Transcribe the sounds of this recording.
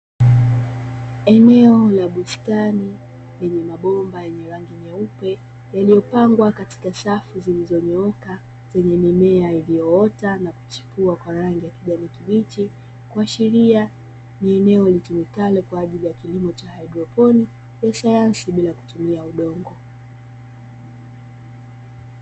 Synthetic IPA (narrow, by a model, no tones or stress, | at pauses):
ɛnɛɔlaɓustani | lɛɲɛmaɓɔmbajɛɲɛɾaŋɡimɛupɛ | jaliɔpaŋɡwakati̥kasafuzilizɔɲɔɔka | z̥ɛɲɛmimɛailiɔɔtanaku̥t͡ʃi̥puakwaɾaŋɡijakiʄanikiɓit͡ʃi | kwaʃiɾia | miɛnɛɔlitumikalɛkwaːʄilijakilimɔt͡ʃahaidɾɔpɔni | jasajansiɓilaku̥tumiauɗɔŋɡɔ